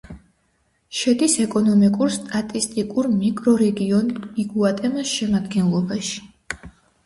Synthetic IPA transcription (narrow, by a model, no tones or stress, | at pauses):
ʃɛd̪isɛkʼɔnɔmikʼuɾst̪ʼat̪ʼist̪ʼikʼuɾmikʼɾɔɾɛɡiɔniɡuat̪ʼɛmasʃɛmad̪ɡɛnlˠɔbaʃi̥